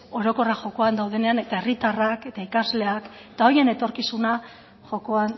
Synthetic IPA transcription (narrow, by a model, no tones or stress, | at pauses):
o̞ɾo̞ko̞raʝo̞ko̞and̪awð̞e̞ne̞ane̞t̪aerit̪arake̞t̪aikazle̞ak | t̪ao̞je̞ne̞t̪o̞ɾkisuna | ʝo̞ko̞an